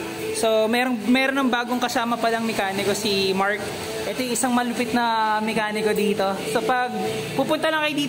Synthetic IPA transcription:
somɛɾoŋmɛːɾonɐŋbaːɡoŋkɐsaːmɐpɐlɐŋmɛkaːnɪko̞simaɹk | ʔɛt̪ojʔɪsɐŋmɐlʊpɪt̪̚nɐmɛkaːnɪkod̪iːt̪o̞sopɐɡ̚ | puːpʊnt̪ɐlɐŋkɐjʊd̪iː

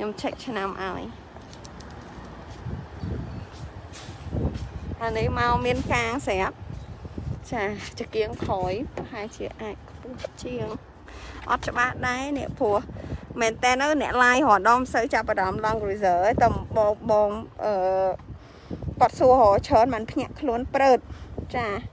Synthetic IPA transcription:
kʰɲomt͡ɕʰək̚t͡ɕʰnamʔa̰ɔj | ʔanihmaɔmiənkaːŋsɛəp̚ | t͡ɕaːt͡ɕəkiəŋkʰɔːjpɑhaɛt͡ɕiəʔaːc̚kʰpuəht͡ɕiəŋ | ʔɑ̰t̪̚t͡ɕə̆ɓahɗaɛnɛ̆əʔpʰʊəhmɛːnt̪ɛːnːɨwnɛ̆əʔlaːjhoəɗɑmsəwt͡ɕap̚ːaɾɑmlɑŋɡruzəːt̪əmɓɔːŋɓɔːŋʔəː | kŏət̪̚suəhɔːt͡ɕʰəːnmanpʰɲăəʔkʰluənprəːt̪̚t͡ɕaː

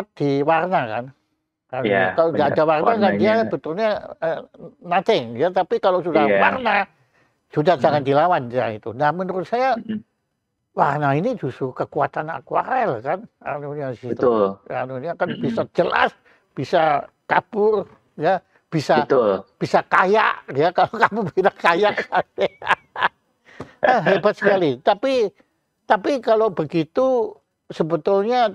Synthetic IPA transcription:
at̪̚d̥iwarnaka̰n | kaakaloɡaːdawarnakandiabət̪ʊlɲaənat̪ɪŋjat̪apikalosudawarna | sudahd͡ʒaŋandilawand͡ʒait̪unahmənəɾʊt̪̚saja | warnainid͡ʒust̪ɾukəkuat̪ana̰kwa̰ɾɛlahkananuɲaiət̪ʊlanunakanbisad͡ʒəla̰s | b̥isakab̥ʊr | ja | b̥isat̪ʊlb̥isakaja̰ʔjakalokamupinakajakane | əɦebat̪sə̥kalit̪api | t̪apikalobəɡit̪u | səbət̪ʊlɲa

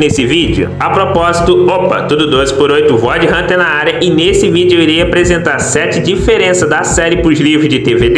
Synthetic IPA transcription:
nesɪvid͡ʒɪʊ̰ɐpɾopɔzit̪ʊopɐ̰t̪ud̪ʊd̪ozɪpʊɾojt̪ʊvɔd͡ʒɪɦɐ̃t̪ẽnɐaɾjɐʔɪnesɪvid͡ʒɪoiɾiɐapɾezẽnt̪aɾsɛt͡ʃɪd͡ʒifeɾẽsɐd̪ɐsɛɾɪpʊʒlivɾʊzd͡ʒɪt̪eved̪

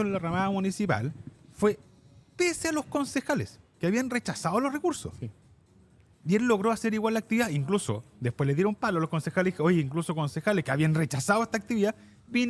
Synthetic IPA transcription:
onlaramaðamunisipa̰lfwe | pesealo̞hko̞nsexaleskeaβianret͡ʃasaðolorekuɾso̰s | ielːoɣɾoaseɾiɣwalːak̚t̪iβiðaiŋkluso̰d̪espwezleðjeɾumpaloalohko̞nsexaleojiŋklusoko̞nsexaleshkeaβianret͡ʃasaðoest̪ak̚t̪iβiða | bin

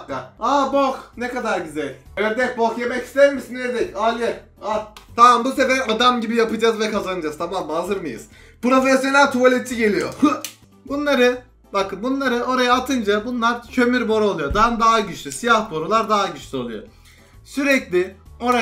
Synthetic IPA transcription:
kːaaboknekad̪aɾɟyzɛlʲejɛɾd̪ɛk̚bokjemɛci̥st̪ʰɛɾmisinːeɾd̪ɛcalʲɛ | at̪ʰamambuse̞vɛad̪amɟibijapɯd͡ʒazvɛkʰazanɯd͡ʒaz̥t̪ʰamamːhazɯɾmɯjɯ̰z̥ | pɾo̞fɛsjo̞nʲælʲt̪ʰualʲet͡ʃ̪ʰːiɟe̞lʲijo | bunlˠaɾɯ | bakʰɯnbunlˠaɾɯʔo̞ɾajaːt̪ʰɯnd͡ʒabunlˠaɾcʰø̞myɾbo̞ɾolˠujod̪and̪aɦaɟyt͡ʃlʲysijahbo̞ɾulˠaɾd̪aːɦaɟyt͡ʃlʲyo̞lˠujo̰ | syɾɛclʲɪo̞ɾa

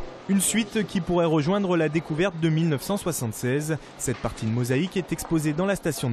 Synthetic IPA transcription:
ynsɥit̪kʲipuʁɛʁəʒwɛ̃d̪ʁəlad̪ekuvɛʁt̪̚d̪əmilnœfsɑ̃swasɑ̃t̪sɛz | sɛt̪̚paʁt̪id̪mɔzaikɛt̪ɛkspozed̪ɑ̃last̪asjɔ̃

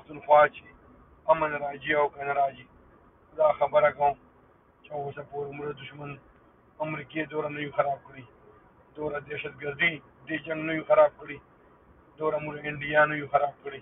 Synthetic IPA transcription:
pʊxt̪unxwaːt͡ʃe | ɐmɐnɾaːd͡ʒiawkɐnaɾaːd͡ʒi | d̪aːxɐbəɾakɐwũ | t͡ʃawosapoːɾemuʒad̪ʊʃmɐn | ɐmɾiːked̪oːɾanɐjũxɐɾaːb̚kɽi | d̪oːɾad̪ɛʃɐd̪̚ɡɐɾd̪i | d̪eːd͡ʒɐŋɡnɐjũxɐɾaːb̚kɽi | d̪oːɾamuʐaɪɳɖijaːnɐjũxɐɾaːb̚kɽi

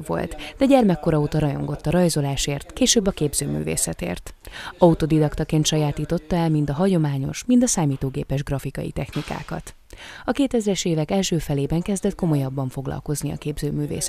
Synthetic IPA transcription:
vo̞̰lt̪d̪ɛɟɛrmɛkːo̞ɾɒoːt̪ɒɾɒjo̞̰ŋɡo̞t̪ːɒɾɒjzo̞laːʃeːrt̪keːʃøːbːɒkeːbzøːmy̰ːvḛːsɛt̪ḛːrt̪ɒut̪o̞d̪id̪ɒkt̪ɒkeːnt̪ʃɒjaːt̪iːt̪o̞t̪ːɒɛlmind̪ɒɦɒɟo̞maːɲo̞̰ʃmind̪ɒsaːmiːt̪oːɡeːpɛʒɡrɒfikɒjḭt̪ɛxnika̰ːkɒ̰t̪ | ɒkeːt̪ɛzrɛʃeːvɛkɛlʃøːfɛleːbɛŋkɛzd̪ɛt̪̚ko̞mo̞jɒbːɒɱfo̞ɡlɒ̰lko̞zniɒ̰keːbzøːmyːvḛːs

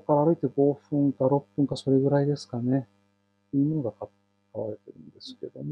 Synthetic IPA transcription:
kːaɾaaɾɯ̟it̪e̞ɡo̞ːɸɯ̟̃ŋkaɾo̞pːɯ̟̃ŋkaso̞ɾe̞ɡɯ̟ɾaid̪e̞sɨ̥kane̞ | t̪ːeiɯ̟mono̞ɡaka | kaβaɾe̞t̪e̞ɾɯ̟̰̃nd̪e̞sɨ̥ke̞d̪o̞m

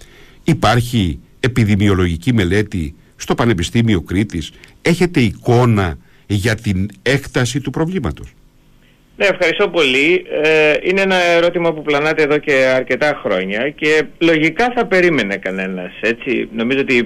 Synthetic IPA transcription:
ipɐɾçi | e̞piðimio̞lo̞ʝicime̞le̞t̪i | st̪o̞pɐne̞pist̪imio̞kɾit̪ise̞çe̞t̪e̞iko̞nɐ | ʝɐt̪ine̞kt̪ɐsit̪upɾo̞vlimɐ̰t̪o̞s | neːfxɐɾist̪o̞po̞lieineenɐeɾo̞t̪imɐpuplɐnɐt̪eːðo̞ce̞ɐɾce̞t̪ɐxɾo̞ɲɐce̞lo̞ʝikɐθɐpe̞ɾime̞ne̞kɐne̞nɐse̞t͡sino̞mizoot̪i

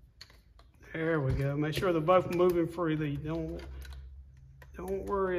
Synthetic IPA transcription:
hɛwiɡoʊmeɪkʃʊɹðəboʊθmuvɪ̃ŋfɹilidõʊ̃n | d̥õʊ̃nʔwɜ˞i

